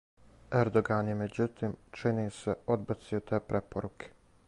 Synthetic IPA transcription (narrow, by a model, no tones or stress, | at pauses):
eɾd̪oɡaːnjemed͡ʑut̪iːmt͡ʃiniːseod̪̚bat̪siot̪eːpɾʔepoɾukʰe̥